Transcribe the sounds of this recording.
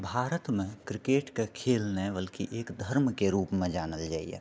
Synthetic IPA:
bʱaːɾət̪mẽkɾɪkeːʈkekʰeːlnebəlkiʔeːkd̪ʱəɾmkeɾuːpmẽd͡ʒaːnəld͡ʒaːḭḛ

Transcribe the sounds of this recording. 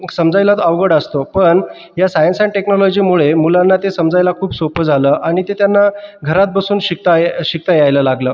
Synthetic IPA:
səmd͡zajlat̪aʋɡəɽəst̪opəɳ | jasajənsaɳʈeknɔlɔd͡ʑiːmuɭemulanːat̪esəmd͡zajlakʰuːbsopəd͡zʱaləːʔaɽ̃it̪et̪janːaɡʱəɾat̪̚bəsuːnɕik̚t̪ajɕik̚t̪ajajləlaɡləː

